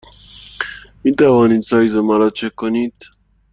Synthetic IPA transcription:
miːt̪ʰævɒːniːd̪sɒːjzemɑɾɒːt͡ʃʰekʰːoniːd̪̥

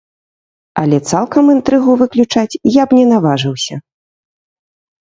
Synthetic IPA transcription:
ɐlʲɛt̪salˠkɐmɨnt̪ɾɨɣuvɨklʲut͡ʂat͡sʲjabnʲɛnavaʐɨwsʲɐ

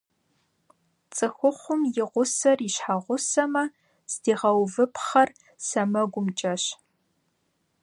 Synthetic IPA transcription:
t͡sʼɨxʷʊχʷʊmjɪʁʷʊsɐriɕħaʁʷʊsɐmɐ | sdiːʁɐwvɨpʰχɐr | sɐmɐɡʷʊmt͡ʃʼɐɕ

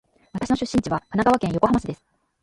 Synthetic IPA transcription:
βat̪ḁɕino̞ɕɨɕːĩɲ̟t͡ɕiβakanaɡaβakẽjo̞ko̞ɦamaɕid̪esɨ̥

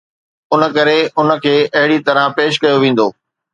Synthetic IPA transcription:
ʊnə̆kɐɾeʊnə̆kʰeːʔɐɦɪɽit̪ɐɾə̃peːʃ̬kɐjoʋẽːn̆d̪oː

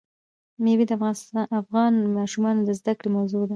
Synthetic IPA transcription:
mebed̪əafsafɣɑnmɑʃumɑnod̪əzd̪akɽemawzod̪a

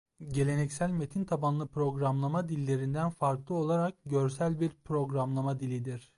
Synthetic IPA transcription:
ɟe̞lʲe̞nɛcsælʲme̞t̪ʰint̪ʰabanlˠɯpʰɾo̞ɡɾamlˠamad̪ilʲːe̞ɾind̪ænfaɾklˠɯo̞lˠaɾak̚ɟøɾsælʲbiɾpʰɾo̞ɡɾamlˠamad̪ilʲid̪iɾ̥

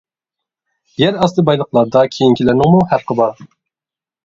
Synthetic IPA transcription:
jɛɾɑslˠɨbɑjlˠəχlˠɑɾd̪ɑkʲʰejiŋkʲʰilænɪŋmuhæɾqəbɑɾ

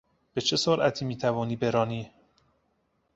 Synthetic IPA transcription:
b̥e̞t͡ʃʰe̞soɾʔæt̪ʰiːmiːt̪ʰævɒːniːbe̞ɾɒːniː

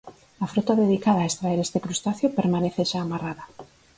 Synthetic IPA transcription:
afɾot̪aðeðikaðaːest̪ɾaeɾest̪ekɾust̪aθjopeɾmaneθeʃaːmaraðɐ

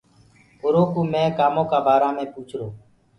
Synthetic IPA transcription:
ʊɾoːkuːmẽːkaːmõːkaːbaːɾaːmẽːpuːt͡ʃʰɾoː

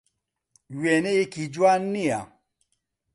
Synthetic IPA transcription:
wɛneikid͡ʒwanːia

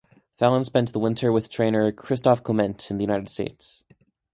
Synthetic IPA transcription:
fælˠə̃nspɛ̃n̚ðəwɪ̃ntʰə˞wɨð̥tʰɹ̥ẽɪ̃nə˞kʰɹ̥ɪstɑfkʰəmɛ̃ntʰn̩ðɨjʉnaɪɾɨd̥stḛɪts

